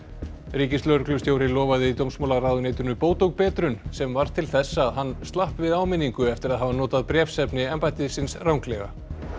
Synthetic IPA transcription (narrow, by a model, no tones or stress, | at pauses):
ɾiːcɪslœɾklʏst̪jowɾɪlɔːvaðɪit̪owmsmoːwlaɾawðʏnejt̪ʏnʏpoːwt̪owkpɛːt̪ɾʏnsɛmvaɾ̥t̪ʰɪlθɛsːaːðɦanːst̪lahpvɪðaːwmɪnːiŋkʏɛft̪ɪɾaðɦavanɔːt̪aðpɾjɛːfsɛpnɪɛmpajt̪ɪsɪnsrawŋklɛɣa̰